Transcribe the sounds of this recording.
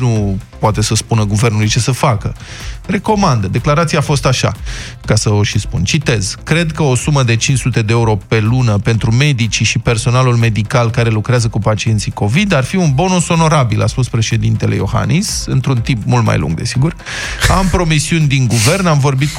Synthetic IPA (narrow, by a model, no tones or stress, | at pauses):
nupoat̪e̞səspunəɡuve̞rnulujt͡ʃe̞səfakəre̞ko̞mand̪əd̪e̞klaɾat̪siafo̞st̪aʃa̰ | kasəoʃispunt͡ʃit̪e̞z̥kɾe̞d̪kəosuməd̪e̞t͡ʃinsut̪e̞d̪eeuɾo̞pe̞lunəpe̞nt̪ɾume̞d̪it͡ʃiʃipe̞rso̞nalulme̞d̪ikalkaɾe̞lukɾeazəkupat͡ʃie̞nt̪siko̞vid̪arfiunbo̞nuso̞no̞ɾabila̰spuspɾe̞ʃe̞d̪int̪e̞le̞jo̞̰ha̰nisɨnt̪ɾunt̪impmult̪̚ma̰jlṵŋɡd̪e̞̰siɡur | ampɾo̞misiunʲd̪iŋɡuve̞rnamvo̞rbit̪̚